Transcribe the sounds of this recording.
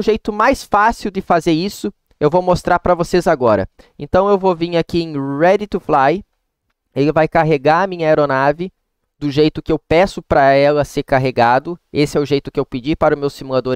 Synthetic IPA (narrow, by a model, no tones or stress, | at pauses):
ʊʒejt̪ʊmajsfasiwd̪ɪfazeɾisʊ | ewvowmost̪ɾaɾpɾɐvosezaɡɔɾɐ̰ḛ̃nt̪ɐ̃w̃ewvovĩŋakiẽj̃ɾɛd̪ɪt̪uflaj | elɪvajkaɦeɡaɐmĩɲɐejɾonavɪ | d̪ʊʒejt̪ʊkɪewpɛsʊpɾɐɛlɐseɾkaɦeɡad̪ʊesɪɛʊʒejt̪ʊkɪewpɪd͡ʒipaɾʊmewsimulad̪oɾ